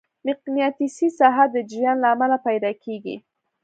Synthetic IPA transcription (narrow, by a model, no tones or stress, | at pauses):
mɪqnijɑt̪isisɑɦaəd͡ʒɪɾjɑnlaːmalapajd̪ɑkʰeɡḭ